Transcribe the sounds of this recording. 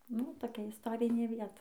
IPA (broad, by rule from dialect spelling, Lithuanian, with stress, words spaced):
nʊ toːˈkʲɛ ɪsˈtoːrʲɪnʲeː ˈʋʲiɛtɐ